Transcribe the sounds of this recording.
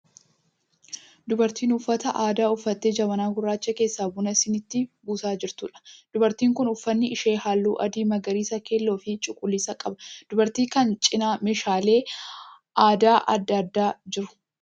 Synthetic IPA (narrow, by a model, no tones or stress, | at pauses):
d̪ʊbɐɾt̪iːnʊfːɐt̪ɐʔaːd̪aːʊfːɐt̪ːeːd͡ʒɐbɐnaːɡʊrːaːt͡ʃːɐke̞ːsːaːbʊnɐsɪnɪt̪ːɪbuːsaːd͡ʒɪɾt̪uːᶑɐ̥d̪̥ʊbɐɾt̪iːŋkʊnʊfːɐnːɪɪʃe̞ːhaːlːuːʔɐd̪iːmɐɡɐɾiːsɐke̞ːlːo̞ːfɪt͡ʃʼʊkʼːʊlːiːsɐkʼɐbɐd̪̥ʊbɐɾt̪iːkɐnt͡ʃʼɪnaːmeːʃaːle̞ː | ʔaːd̪aːʔɐd̪ːɐd̪ːaːd͡ʒɪɾʊ̥